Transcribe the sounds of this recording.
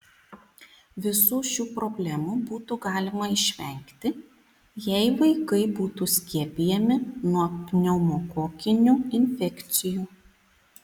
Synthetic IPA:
ʋʲɪsuːʃʲuːpɾɔbʲlʲɛmubuːt̪uːɡɑːlʲɪmɐɪʃʲʋʲɛŋʲkt̪ʲɪ | jɛɪʋɐɪkɐɪbuːt̪uːsʲkʲiɛpʲijɛmʲɪnuɔpʲnʲɛʊmoːkoːkʲɪnʲuːɪnʲfʲɛkʲt̪sʲɪjuː

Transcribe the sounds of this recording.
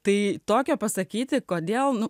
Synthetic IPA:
t̪ɐɪt̪oːkʲoːpɐsɐkʲiːt̪ʲɪkoːd̪ʲeːlˠnʊ

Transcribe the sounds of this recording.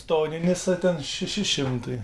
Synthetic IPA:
st̪oːnʲɪnʲɪsɐt̪ʲɛnʃʲɛʃʲɪʃʲɪmt̪ɐɪ

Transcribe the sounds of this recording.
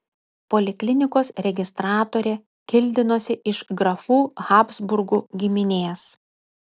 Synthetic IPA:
poːlʲɪklʲɪnʲɪkoːsɾʲɛɡʲɪst̪ɾɑːt̪oːɾʲeː | kʲɪlʲd̪ʲɪnoːsʲɪʔɪʃɡɾɐfuːɣɑːpzbʊɾɡuːɡʲɪmʲɪnʲeːs

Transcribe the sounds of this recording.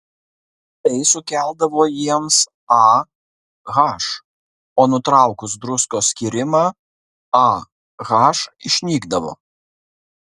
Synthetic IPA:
t̪ɛɪsʊkʲæˑlˠd̪ɐʋoːjiɛms | ɑ | ɣɑːʃ | oːnʊt̪ɾɑˑʊkʊsd̪ɾʊskoːsʲkʲiːɾʲɪmɑː | ɑ | ɣɑːʃɪʃʲnʲiːɡd̪ɐʋo̰ː

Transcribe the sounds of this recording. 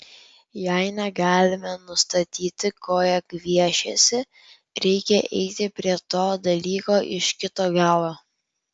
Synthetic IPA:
jæɪnʲɛɡɑːlʲɪmʲɛnʊst̪ɐt̪ʲiːt̪ʲɪkoːjɛkʋʲiɛʃʲɛsʲɪ | ɾʲɛɪkʲɛʔɛɪt̪ʲɪpʲɾʲiɛt̪oːd̪ɐlʲiːkoːʔɪʃkʲɪt̪oːɡɑːlˠoː

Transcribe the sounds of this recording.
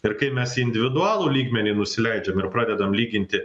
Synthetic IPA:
ɪɾkɐɪmʲɛsiɪnʲd̪ʲɪʋʲɪd̪ʊɑːlˠuːlʲiːɡmʲɛnʲiːnʊsʲɪlʲɛɪd͡ʒʲɛmɪɾpɾɑːd̪ʲɛd̪ɐmlʲiːɡʲɪnʲt̪ʲɪ

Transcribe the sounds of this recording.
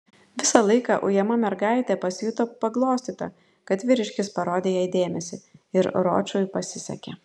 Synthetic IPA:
ʋʲɪsɐlˠɐɪkɑʔʊjɛmɐmʲɛɾɡɑɪt̪ʲɛpɐsʲjʊt̪opɐɡlˠoːsʲt̪ʲiːt̪ɐ̰ | kɐt̪ʋʲɪɾʲɪʃʲkʲɪspɐɾoːd̪ʲeːjɛd̪ʲeːmʲɛsʲɪɪɾɾo̰ːt͡ʃʲujpɐsʲɪsʲɛ̰kʲɛ̰

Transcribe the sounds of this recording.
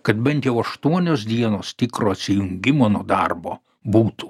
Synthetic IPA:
kɐt̪bʲɛnt̪jɛʊɐʃt̪uɔnʲoːsd̪ʲiɛnoːst̪ʲɪkɾoːɐt̪ʲsʲɪjʊŋʲɡʲɪmoːnuɔd̪ɑ̰rbo̰ː | buːt̪u

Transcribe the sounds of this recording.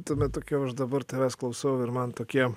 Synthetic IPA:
t̪oːmʲɛt̪̚t̪oːkʲɛɐʃd̪ɐbɐɾt̪ʲɐɾɑːsklˠɐʊsɐʊɪɾmɐnt̪oːkʲiɛ

